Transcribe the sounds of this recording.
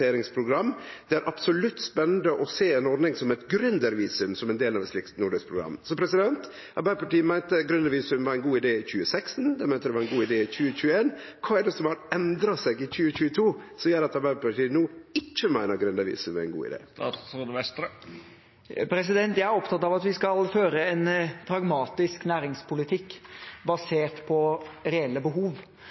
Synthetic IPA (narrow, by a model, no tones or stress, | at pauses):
eːɾɪŋspʰɾʊɡɾɑmːd̪̥ɛæɾʔɑpsɔlʉt̪ːspɛnənd̪əʔɔseːɛnɔɾɖ̪nɪŋsɔmɛt̪ɡɾʉnd̪ɑɾʋiːsʉmsɔmɛnd̪eːlɑʋɛt̪ʃlɪkt̪nʊɾɖɪsk̚pʰɾʊɡɾɑ̰mːsɔpʰɾɛsɪd̪ɛnt̪ | ʔɑ̰ɾbæɪəpʰɑʈiːəmæɪnt̪əɡɾʉnəɾʋiːsʉmʋɑɾɛɪnɡuːɪd̪eːɪçʉːəsækst̪n̩d̪ɛmæɪnt̪əd̪ɛʋɑɾɛnɡuːɪd̪eːɪçʉːəçʉːəeːn | kʰɑːæɖəsɔmhɑɾɛnd̪ɾɑsɛɡɪc͡çʉːəçʉːət̪ʰuːsɔjøːɾɑt̪ɑɾbæpʰɑʈʰiːənuːɪt͡ʃːəmæɪnəɾɡɾʉnɑʋḭːsʉmʋɛæɪnɡṵːɪ̰d̪ḛːɔd̪əʋɛst̪ɾə | pʰɾɛs̬ɪd̪ɛnt̪jæɪæɾɔpt̪ʰɑt̪ːɑʋɑt̪ʋɪskɑlføːɾəɛnpʰɾɑɡmɑːt̪ɪsknæːɾɪŋspʰʊlɪt̪ʰɪkːbɑseːɾt̪pʰɔɾɛɛlːəbəɦuːʋ